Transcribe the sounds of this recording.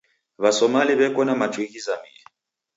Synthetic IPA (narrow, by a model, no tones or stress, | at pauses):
βasɔmaliβɛkʼɔnamat͡ʃʼwiɣizamḭɛ